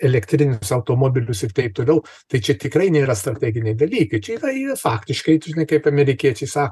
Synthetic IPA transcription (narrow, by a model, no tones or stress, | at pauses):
ɛlʲɛkt̪ʲɾʲɪnʲʊsɐʊt̪oːmoːbʲɪlʲʊsɪrt̪ɐɪp̚t̪oːlʲɛʊ | t̪ɐɪt͡ʃʲɛt̪ʲɪkɾɐɪnʲeːɾɐst̪ɾɐt̪ʲæːɡʲɪnʲɛɪd̪ɐlʲiːkɐɪt͡ʃʲɛiːrɐiːɐfɑːkt̪ʲɪʃkɐɪʒʲɪnɐɪkɐɪpɐmʲɛɾʲɪkʲiɛt͡ʃʲɛɪsɑːk